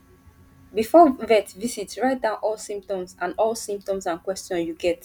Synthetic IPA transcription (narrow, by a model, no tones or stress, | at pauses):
bifɔvɛtvisitsɹaɪt̚dãʊ̃nʔɔlsĩmp̚tɔ̃msãnɔlˠsĩmp̚tɔ̃msãnkwɛstjɔ̃njuɡɛt